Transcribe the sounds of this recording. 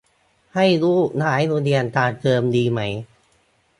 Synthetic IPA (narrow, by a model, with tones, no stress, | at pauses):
ha˥˩jluː˥˩k̚naː˩˦jɾu˧di˧ənt̪aː˨˧˩t̪̚kɤː˧mdiː˧ma˦˥j